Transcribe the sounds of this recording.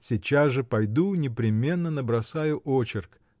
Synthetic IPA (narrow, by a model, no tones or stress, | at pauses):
sʲɪt͡ɕasʐɨpɐjd̪unʲɪpɾʲɪmʲe̞nːənəbɾɐsajʊʔot͡ɕɪrk